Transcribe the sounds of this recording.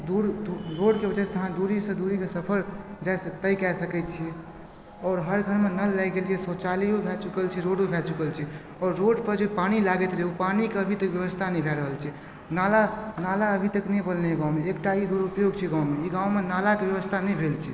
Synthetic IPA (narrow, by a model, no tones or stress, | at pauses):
d̪uɾd̪uɾoɖkebəd͡ʒɛseəɦãd̪uɾisẽd̪uɾikesəpʰəɾd͡ʒajsət̪əjkɛjsəkɛt͡ʃʰi | ɔːɾɦəɾɡʱəɾmenəlːaɡeliesɔt͡ʃaliɦobʱɛt͡ʃukəlt͡ʃʰiɾoɽebʱɛt͡ʃukəlt͡ʃʰi | ɔːɾːoɖpəɾd͡ʒepañilaɡet̪ɾeupanikeəbʱit̪əkbjəəst̪ʰanəĩbʱɛɾəɦəlt͡ʃʰɛ | nalanalaəbʱit̪əknɛjbəlneeɡãw̃meːkʈaid̪uɾupjoɡt͡ʃʰiɡãw̃meiɡãw̃menalakebjəβəst̪ʰanɛjbʱelt͡ʃʰi